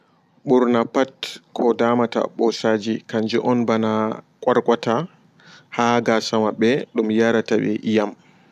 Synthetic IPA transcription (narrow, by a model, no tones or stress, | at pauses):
ɓuɾnapatkʰɔdamata̰ɓɔsaːd͡ʒikaɲd͡ʒɛʔɔnbana | kʼaɾkʼwata | haɡasamaɓɛɗumjaɾataɓɛ̰ʔijam